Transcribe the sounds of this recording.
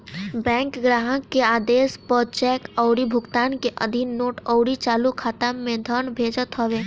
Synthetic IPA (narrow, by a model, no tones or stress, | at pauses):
bɛ̃ːŋkɡɾaːɦəkːeaːd̪eːspɔt͡ʃɛːkɔʊɾibʱʊɡt̪aːnkeʔə̰d̪ʱiːoːʈɔʊɾit͡ʃaːlukʰat̪əmːẽd̪ʱəɳbʱeːd͡ʒət̪ɦəʋeː